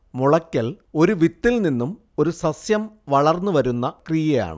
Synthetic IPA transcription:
muɭɐkʲːɐl | o̞ɾuʋit̪ːilninːum | o̞ɾusɐsjɐmʋɐɭɐrnːuʋɐɾunːɐkrijɐja̰ːɳɨ̰

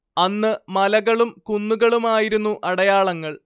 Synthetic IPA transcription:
ɐnːɨmɐlɐɣɐɭumkunːuɣɐɭumaːjiɾunːuʔɐɽɐjaːɭɐŋːɐɭ

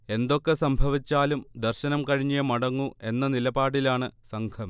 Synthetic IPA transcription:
e̞nd̪o̞kːe̞sɐmbʱɐʋit͡ɕːaːlumd̪ɐrɕɐnɐmkɐɻiɲːijɐmɐɽɐŋːue̞nːɐnilɐbaːɽilaːɳɨsɐŋkʰɐm

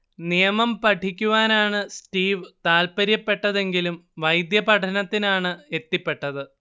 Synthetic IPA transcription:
nijɐmɐmpɐʈʰikʲːuʋaːnaːɳɨsʈiːʋt̪aːlpɐɾjɐpːe̞ʈːɐðe̞ŋɡilumʋɐjd̪jɐpɐʈʰɐnɐt̪ːinaːɳɨe̞t̪ːipːe̞ʈːɐðɨ

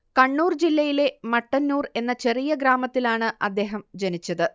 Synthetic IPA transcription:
kɐɳːuːrd͡ʑilːɐjile̞mɐʈːɐnːuːre̞nːɐt͡ɕe̞rijɐɡɾaːmɐt̪ːilaːɳɨʔɐd̪ːe̞ːɦɐmd͡ʑɐnit͡ɕːɐðɨ

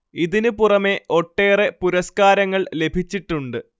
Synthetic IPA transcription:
iðinɨpurɐme̞o̞ʈːe̞ːre̞puɾɐskaːɾɐŋːɐɭle̞bʱit͡ɕːiʈːuɳɖɨ

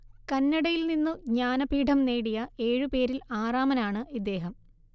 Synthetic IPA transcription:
kɐnːɐɽɐjilninːuɲaːnɐpiːʈʰɐmneːɽijɐe̞ːɻupe̞ːɾilaːraːmɐnaːɳɨʔid̪ːe̞ːɦɐm

